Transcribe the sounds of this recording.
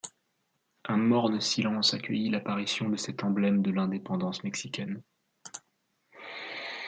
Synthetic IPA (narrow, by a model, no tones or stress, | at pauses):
ɛ̃mɔʁnəsilɑ̃sakʲəjilapaʁisjɔ̃d̪əsɛt̪ɑ̃blɛmd̪əlɛ̃d̪epɑ̃d̪ɑ̃smɛksikʲɛn